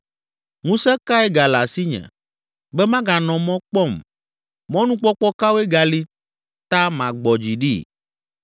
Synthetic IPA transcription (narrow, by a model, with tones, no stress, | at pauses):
ŋũ˦sɛ˦ka˦ɛ˦ɡa˨la˨si˦ɲɛ̰̃˨ | bɛ˦mã˦ɡa˨nɔ̃˨mɔ̃˦k͡pɔ˦˨m | mɔ̃˦nũ˦k͡pɔ˦k͡pɔ˦ka˦we˦ɡa˨li˦ | t̪a˦mã˨ɡ͡bɔ˨d͡ʑi˨ɖḭ˦